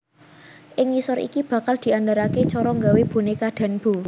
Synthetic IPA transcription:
ʔɪŋisɔɾḭkib̥ä̤kald̪̥i̤and̪aɾaket͡ʃɔɾɔŋɡaweb̥o̤nekad̪̥a̤nb̥u

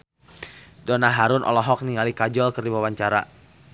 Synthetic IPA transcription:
dɔnaɦaɾʊnʔɔ̰lɔɦɔk̚niŋalikad͡ʒɔlkərdibawaɲt͡ʃaɾa

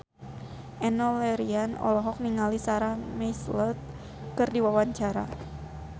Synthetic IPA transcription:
ʔɛnɔlɛɾianɔ̰lɔɦɔk̚niŋalisaɾahmejslɔt̪̚ | kɨrdiwawaɲt͡ʃaɾa̰

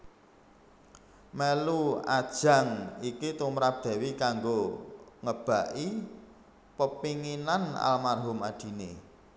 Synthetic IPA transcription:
meluad̥ʒ̥a̤ŋikit̪umɾap̚d̪̥ɛ̤wikaŋɡoŋəb̥a̤ʔi | pəpiŋinana̰lmarɦʊmad̪̥i̤ne

